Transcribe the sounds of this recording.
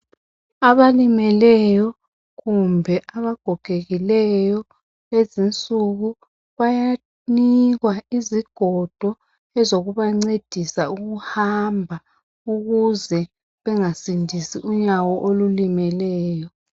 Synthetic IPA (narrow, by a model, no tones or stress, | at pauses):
aβalimɛlɛjɔ | ɣumbʱɛʔaβaɡ̥ʱɔɡ̥ʱeɣilɛjɔ | lezint͡sʼuɣu | βaja | niɣwaiziɡ̥ʱɔd̥ʱɔ | ɛzoɣuβaŋ͡ǀed̥ʱisauɣuhambʱa | uɣuzɛ | βɛŋasindʱisiʔuɲawɔʔolulimɛlɛːjɔ